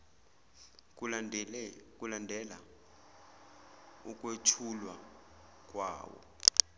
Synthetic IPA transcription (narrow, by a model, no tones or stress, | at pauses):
kulandʱɛla̰ | ukʼwet͡ʃʰulwa | k̬ʼwa̰ːwɔ̰